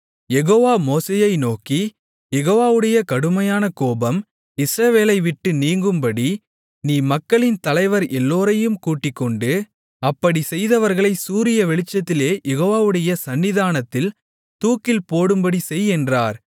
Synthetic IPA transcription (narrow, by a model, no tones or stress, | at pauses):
jɛɣoːʋaːmoːseːjɐɪnoːki | jɛɣoːʋaːʋɯɽɐjɐkɐɽɯmɐjaːnɐkoːbɐm | ɪsɾɐʋeːlɐɪʋɪʈːɯniːŋɡɯmbɐɽi | niːmɐkːɐɭɪnt̪ɐlɐɪʋɐɾʔɛlːoːɾɐjɯmkuːʈːɪkːɔɳɖɯ | ɐpːɐɽisɛjðɐʋɐɾɣɐɭɐɪsuːɾɪjɐʋɛɭɪt͡ʃːɐt̪ːɪleːjɛɣoːʋaːʋɯɽɐjɐsɐnːɪðaːnɐt̪ːɪl | t̪uːkɪlpoːɽɯmbɐɽisɛjɛndraːɾ